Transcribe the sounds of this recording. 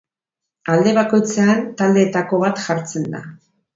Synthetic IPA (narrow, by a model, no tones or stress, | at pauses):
ald̪e̞βako̞jt͡seant̪ald̪e̞ːt̪ako̞βat̪ʝaɾt͡se̞nd̪a̰